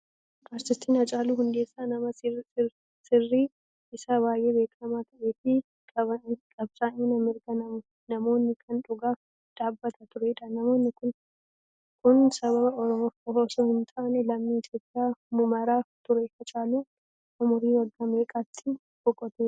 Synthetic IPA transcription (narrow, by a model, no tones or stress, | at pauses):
ʔaːɾsɪst̪iːnhɐt͡ʃʼaːluːɦʊnd̪e̞ːsːaːnɐmɐ | sɪrːiː | ɪsaːbaːjʔe̞ːbeːkʼɐmaːt̪ʰɐʔe̞ːfɪ | kʼɐɐkʼɐbsʼaːɲːunɐmɪɾɡɐnɐm | nɐmo̞ːnːɪkʰɐnᶑʊɡaːf | d̪̥aːbːɐt̪ʰɐt̪ʊɾɛɪᶑaːɐmo̞ːnːɪkʊn | kʰʊnsɐβɐbɐɔɾɔmofɔɦoːsoːhɪnt̪ʼɐnɛlɐmːiːɪt̪ʰjo̞ːpʼːɪjaːmʊmɐɾaːt̪ʊɾɛhɐt͡ʃʼaːluː | ʔʊmʊɾiːwɐɡːɐme̞ːkʼaːt̪ʰːɪ | bɔkʼːɔt̪eː